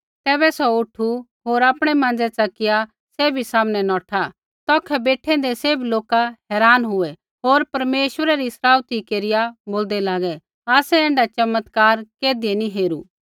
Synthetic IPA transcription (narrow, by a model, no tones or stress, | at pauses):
t̪ɛːbɛsɔʊʈʰu | ɦoːɾaːpɽ̃ɛmãːnd͡zɛt͡sɐkɪja | seːbʱisaːmnɛnɔːʈʰa | t̪ɔːkʰɛbeːʈʰɛ̃d̪eseːbʱiloːkaɦɛːɾaːnɦʊɛ | ɦoːɾpɐɾmeːʃwəɾaɾisɾaːwt̪ikeːɾɪjaboːld̪ɛlaːɡɛ | aːsɛɛ̃ːɳɖat͡ʃɐmːət̪kaːɾkeːd̪ieniɦeːɾu